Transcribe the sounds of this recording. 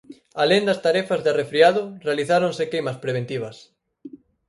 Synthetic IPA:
alend̪ɐst̪aɾɛfazðarefɾiaðʊrealiθaɾõnsekejmɐspɾeβ̞ẽnt̪iβ̞ɐs

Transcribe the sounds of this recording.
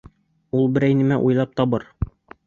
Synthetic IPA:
ulˠbɘ̆ɾæjnɘ̆mæʔujlˠɑp̚t̪ɒbɤɾ

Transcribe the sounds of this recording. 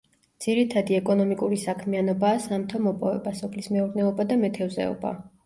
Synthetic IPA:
d̪z̥iɾit̪ʰad̪iɛkʼɔnɔmikʼuɾisakʰmianɔbaːsamt̪ʰɔmɔpʼɔvɛ̰basɔpʰlismɛuɾnɛɔbad̪amɛt̪ʰɛvzɛ̰ɔ̰ba̰

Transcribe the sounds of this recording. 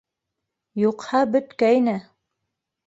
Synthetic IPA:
juqhɑbɵ̆t̪kæjnɘ

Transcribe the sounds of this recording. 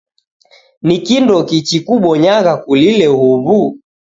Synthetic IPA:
nikindɔkit͡ʃikuɓɔɲaɣakulilɛhuβu

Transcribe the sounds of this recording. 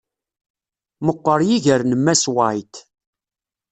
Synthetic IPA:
məqːəɾjiʝəɾnəmːæswajt̪

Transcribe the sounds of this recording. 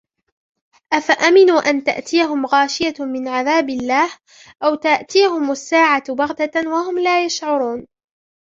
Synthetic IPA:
ʔafaʔamɪnuːʔant̪a̰ʔt̪ijaɦʊmɣaːʃɪjamɪnʕaðaːbɪlːaːh | ʔawt̪aʔt̪iːɦʊmasːaːʕabaɣt̪awaɦʊmlaːjaʃʕʊɾuːn

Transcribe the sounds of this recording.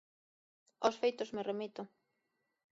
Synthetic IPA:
osfejt̪ozmeremit̪ʊ

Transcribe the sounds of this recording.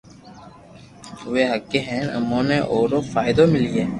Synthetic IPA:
ʋeːɦəkːeɦɛ̃ːnə̰mõːneʔoːɾoːfaːɪd̪omɪlieː

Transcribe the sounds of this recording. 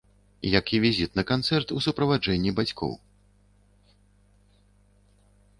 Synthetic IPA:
jɐkivʲizʲit̪nɐkant̪sɛrt̪usupɾɐvad͡ʐɛnʲːibat͡sʲkʰɔ̰w

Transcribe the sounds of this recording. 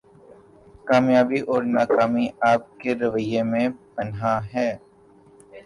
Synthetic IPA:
kaːmjaːbiʔɔːɾnaːkaːmiaːp̚keɾɐʋəjemẽpɐnɦaɦɛː

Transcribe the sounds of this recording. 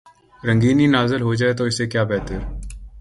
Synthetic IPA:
ɾə̃ŋɡiːninaːzɪlɦod͡ʒaːet̪̬oɪsekjaːbɛːt̪əɾ

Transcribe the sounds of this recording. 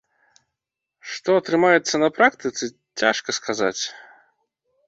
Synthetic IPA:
ʂt̪ɔɐt̪ɾɨmajɛt̪sːɐnɐpɾakt̪ɨt̪sɨ | t͡sʲa̰ʂkɐskaza̰t͡sʲ

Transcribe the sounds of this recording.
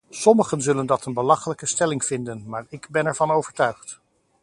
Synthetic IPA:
sɔməχənzɵləndɑtənbəlɑχələkəstɛlɪŋvɪndənmaːɹɪɡbɛnɛɹvɑnowvəɹtœɥχt

